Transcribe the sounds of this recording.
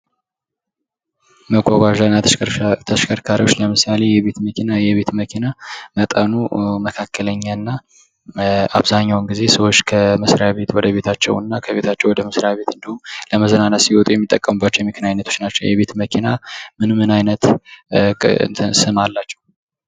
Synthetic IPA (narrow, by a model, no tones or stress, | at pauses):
məɡʷaɡʷaʒanːat̪ʰəʃkʰəɾkʰaɾiwo̞t͡ʃːləmɨsale̞jɛβet̪məkʰinajɛβe̞t̪məkʰinamət̪ʼənuməkʰakːələɲːaɨnːa | a̰βzaɲːawɨnɡize̞səwo̞t͡ʃːkʰəmɨsɾjaβe̞t̪wɔd̪əβe̞t̪ʰat͡ʃːɛ̰wnːakʰəβe̞t̪ʰat͡ʃːɛwɔd̪əməsɾjaβe̞t̪ɨnd̪əhuləməzənanːəsiwɔt̪ʼujɛmːit̪ʼːəkʼːəmɨbːat͡ʃːɛwjɛmɨkʰɨnaɲnːət̪ʰo̥t͡ʃnat͡ʃːɛ̰wjɛβe̞t̪məkʰinamɨnmɨnajnət̪ | sɨmalːat͡ʃːɛ̥w